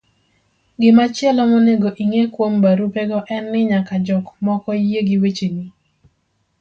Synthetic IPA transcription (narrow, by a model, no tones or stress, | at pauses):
ɡɪmat͡ʃɪɛlɔmɔneɡoʔiŋekwombaɾupɛɡɔʔɛnːɪɲakad͡ʒɔkmɔkɔjeɡiwet͡ʃeni